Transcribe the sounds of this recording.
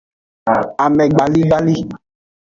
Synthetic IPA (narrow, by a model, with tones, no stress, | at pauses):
a˨mɛ̃˨ɡ͡ba˨li˦ɡ͡ba˦li˦